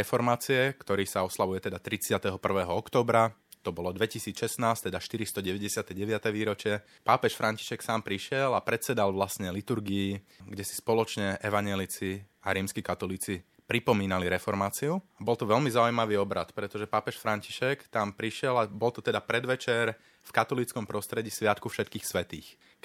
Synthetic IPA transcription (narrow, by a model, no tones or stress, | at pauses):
ɛfɔɾmaːt͡siɛkt̪ɔɾiːsaɔslaʋujɛt̪ɛd̪at̪ɾit͡sɪat̪ɛɦɔpr̩ʋɛːɦɔɔkt̪ɔːbɾa | t̪ɔbɔlɔd̪ʋɛcisiːt͡sʃɛsnaːst̪ɛd̪aʃt̪iɾist̪ɔɟɛʋɛɟɛsɪat̪ɛɟɛʋɪat̪ɛʋiːɾɔt͡ʃɪɛ | paːpɛʃfɾʔaɲci̥ʃɛksaːmpɾiʃɪɛlapɾɛt̪sɛd̪alʋlasɲɛlit̪uɾɡiː | ɡɟɛsi̥spɔlɔt͡ʃɲɛɛʋaɲɛlit͡si | aɾiːmskikat̪ɔliːt͡si | pɾipɔmiːnaliɾɛfɔɾmaːt͡siuabɔlt̪ɔʋɛlmizaujmaʋiɔbɾat̪pɾɛt̪ɔʒɛpaːpɛʃfɾaɲci̥ʃɛkt̪ampɾiʃɪɛlabɔlt̪ɔt̪ɛd̪apɾɛd̪ʋɛt͡ʃɛɾ | fkat̪ɔlit͡skɔmpɾɔst̪ɾɛɟiːsʋɪat̪kufʃɛt̪kiːxsʋɛt̪ḭːx